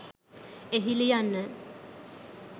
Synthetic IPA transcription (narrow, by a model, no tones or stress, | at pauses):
eɦilijanːə